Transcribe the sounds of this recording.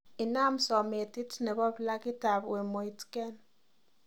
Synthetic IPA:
ɪ˨na˦msɔ˨me˨ti˦tnɛ˨bɔ˦pla˦kɪ˦ta˨bwe˨mo˨i˨tkɛ˦n

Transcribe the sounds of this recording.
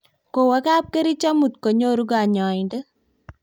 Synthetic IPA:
ko˨wa˨˦ka˦p̚ke˦ɾi˦t͡ʃa˦mu˨t̪ko˨ɲo˦ɾu˦ɡa˨ɲɔ˨ɪ˨nde˦

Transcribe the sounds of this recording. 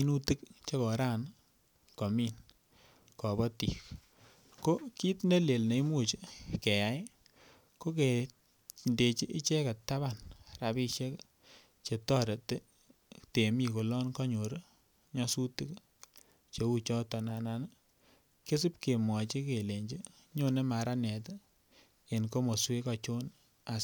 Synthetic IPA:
i˦nu˦tɨ˦k̚t͡ʃe˦kɔ˨ɾa˦˨n | kɔ˨mi˦n | kɔ˨bɔ˦ti˨k | ko˦ki˦tne˦le˨lne˨i˦mu˦t͡ʃi˦ke˨ja˨˦j | ko˦ke˨ | nde˨t͡ʃi˦ʔi˦t͡ʃe˦ka˨tːa˦βa˦˨nra˨bi˦˧ʃɛ˦k | t͡ʃe˨tɔ˦ɾe˨te˦ | te˨mi˨ko˨lɔ˦nkɔ˦ɲo˨ɾe˦ | ɲɔ˦su˦ti˦k | t͡ʃe˨˦u˦t͡ʃɔ˦tɔ˨na˨na˨n˦ | ke˦sɨ˦p̚ke˨mwɔ˨t͡ʃi˦ke˨le˨ɲd͡ʒi˦ | ɲo˦ne˦ma˨ɾa˦nɛ˨t̬ | e˨nko˦mo˨swe˦kɔ˧t͡ʃo˦n | a˨s

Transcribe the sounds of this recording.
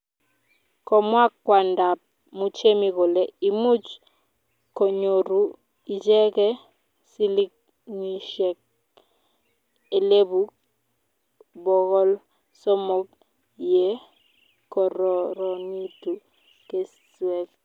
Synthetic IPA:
kɔ˨mwa˦kːwa˨nda˨p̚ | mu˦t͡ʃe˦mi˨ɣo˨lɛ˨i˨mu˦t͡ʃ | kɔ˨ɲo˨ɾu˨ | i˨d͡ʒɛ˦kɛ˦ | si˦li˦k̚ | ni˨ʃɛ˨k̚ | e˨le˦bu˦k | bɔ˨ɣɔ˦l | sɔ˦mɔ˦k̚ | jɛ˦ | kɔ˨ɾɔ˨ɾɔ˨ni˦tu˨ | ke˦ | swɛ˨k

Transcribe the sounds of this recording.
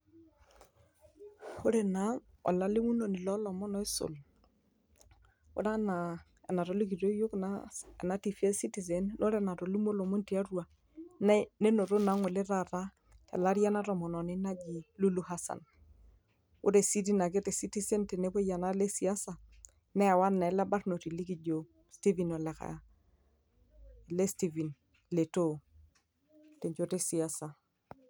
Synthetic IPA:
o˦ɾɛ˨na˨˦ | ɔ̰˨la˨li˦mu˦nɔ˨nɪ˨lɔ˦lɔ˨mɔ˦nɔ˨e˦so̰˨l | o̰˦ɾa˦na˨ | ɛ̰˨na˨ɾɔ˨˦li˦k̬i˨ɾo˦jo˦knaɛ̰˨na˨˦ti˨fi˦ɛ˦si˦ti˨sɛ˨nnʔo˦ɾɛ˦na˨ɾo˨li˦mo˦lɔ˨me˦nti˨a˦rwa˨ | nne˦no˨ɾo˦na˨˦ŋwɛ˨le˦ɾa˦˨ɾa˦ | tɛ̰˨la˦ɾja˦na˦ɾɔ˨mɔ˨nɔ˨nɪ˦na˦d͡ʒi˨lu˦lu˦ha˦sa̰˨n | ʊ̰˦ɾe˨si˦t̬i˦na˨k̬e˦te˨si˦ti˦se˦nte˨ne˦po˦ja˨na˦le˦si˨a˦sa˨ | nɛ˦a˨wa˦nːa˨ɛ˨˦la˦ba˦rno˨ti˨li˦ki˨d͡ʒo˨ | sti˦vi˨nɔ˨lɛ˨ka̰˨a˨ | le˦sti˨vi˨n | le˨to˦˨ | te˨ɲd͡ʒo˦te˦si˨a˦sa˨

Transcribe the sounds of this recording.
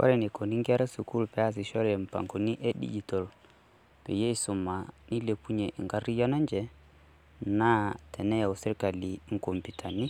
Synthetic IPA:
kɔ̰˦ɾɛ˨ni˨ko˨ni˦ŋɡɛ˦ɾɛ˦su˨ku˦lpɛ˨a˦s̬i˨ʃɔ˦ɾɛ˨m̩˨pa̰˨ŋɡo˨ni˦ʔɛ˦ɗḭ˦d͡ʒi˨tɔ˨l | pɛ̰˨je˦i˦su˨ma˨ni˦le˨pu˦ɲɛ˨ʔḭ˨ŋɡa˦ɾi˦jɔ˦na˦nd͡ʒɛ˨ | na˦tɛ˨nɛ˦ja˨o˨sɛ˦ɾka˨li˨ŋ̩˨ko˨mpi˨tʰa˨ni˦

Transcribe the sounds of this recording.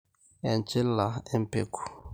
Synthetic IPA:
ɛ˨nt͡ʃe˦lːa˨ɛ˦mpḛ˨ku̥˨

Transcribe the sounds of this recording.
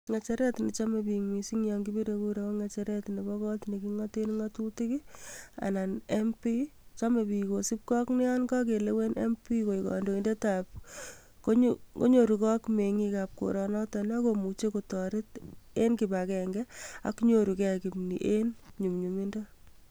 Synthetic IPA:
ŋa˨t͡ʃɛ˦ɾɛ˦tni˨t͡ʃa˦me˨piŋmi˨si˦ŋjɔŋɡi˦bi˦ɾe˨ku˦ɾe˨wɔ˦ŋa˨t͡ʃɛ˦ɾɛ˦tni˨bɔ˦kɔ˦tneki˦ŋate˦nŋatu˦ti˦ki˦a̰˨na˨ne˦mpi˦t͡ʃa˦me˨pi˨ko˨si˦p̚kɔ˦knɪ˦ja˦nkɔ˦ke˨le˦we˦ne˦mpi˦ko˨ikɔ̰ndo˨i˨nde˦tap̚ | ko˦ko̰˦ɲo˨ɾukɔ˦kme˨ŋi˦kap̚ko̰˨ɾɔ˨nɔ˦ta˨na˦ko˨mu˨t͡ʃe˦kotɔ˨ɾɪ˦te˦nkibakɛŋɡɛa̰˦kɲo˨ɾu˨kɛ˨ki˨pnḭ˨ʔenɲu˨mɲumi˦nda

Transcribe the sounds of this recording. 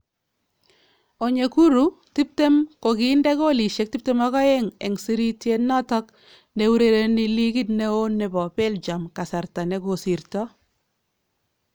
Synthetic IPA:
o˨ɲe˨ku˦ɾu˦ti˦p̚te˦mko˨ki˦ndɛ˦ko˦li˨ʃe˨k̚ti˦p̚te˦mɔ˦ɣɔ˦e˦ŋɛ̰˨ŋsi˦ɾi˦tje˦nɔ˦tɔ˦k | ne˨wu˦ɾe˨ɾe˦ni˨li˦ki˦tne˦o˦nːe˨bɔ˨pe˦ld͡ʒa˨mka˨sa˨ɾta˨ne˨˦ko˨si˨ɾtɔ˦

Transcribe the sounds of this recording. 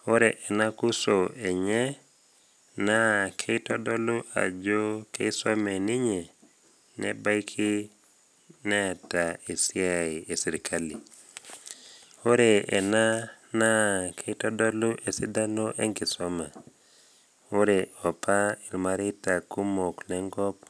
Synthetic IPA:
o˦ɾe˨ʔɛ˨na˦ku˦so˨e˨ɲɛ˦ | na˦kʰe˦i˦tɔ˦dɔ˦lu˦ʔa̰˨d͡ʒo˦ke˦i˦sɔ˦mɛ˨nɪ˦ɲe˨ | nɛ̰˦ba˦i˦kʰi˦ | nɛ˦a˨ta˨e˨sɪ˦a˨ɪ˨e˨si˨ɾi˨kʰa˦li˨ | o˦ɾe˨ɛ˨na˦na˦kʰe˦i˦tɔ˦dɔ˦lu˦ʔe˨si˦da˦no˦ʔḛ˦ŋɡɪ˨sɔma˨ | o˦ɾe˨ɔ˨pʰa˦i˨ɾma˦ɾɪ˦ta˨ku˦mo˨klɛ˦ŋɡɔ˦p̚

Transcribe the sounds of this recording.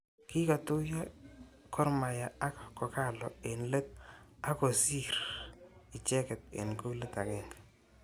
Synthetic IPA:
kɪ˦ka˨tʊ˦ja˦ | kʰɔ˦ɾma˨ja˨a˦kkɔ˨ka˦lɔ˨e˨nle˦t̪̚a˦kɔ˨si˦ɾ | i˨t͡ʃɛ˦kɛ˨t̪̚ḛ˨nko˦le˦t̪a˨kɛ˦ŋɡa

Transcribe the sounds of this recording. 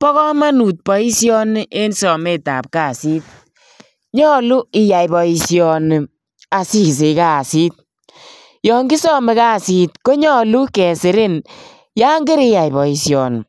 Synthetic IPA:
pɔ˦kɔ˦ma˦nu˨t̚pɔ˨i˦sjɔ˦nɪ˦ʔe˦nsɔ˨me˦ta̰˨p̚kaː˦˨si˦t̚ | ɲɔ˦lu˦ɪ˦ja˨jbɔ˨i˧sjɔ˨nɪ˨ | a˨si˦˨s̬e˨ka˦˨si˦t̚ | jɔː˨ŋɡi˦sɔ˦me˨˦kaː˦˨si˨tko˦ɲɔ˦lu˦kɛ˨sɪ˨ɾɪ˦n | ja˦ŋɡe˦ɾɪ˦ja˨jbɔ˨i˨sjɔ˨n˨

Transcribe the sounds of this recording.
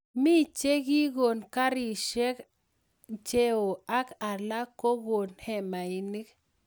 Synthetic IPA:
mi˦˨t͡ʃe˦ɡi˦ɣo˨nka˦ɾi˨ʃɛ˦k | t͡ʃe˦o˨a˦ka˨la˦ko˦ɣo˨nhɛ˦ma˨i˦ni˦k

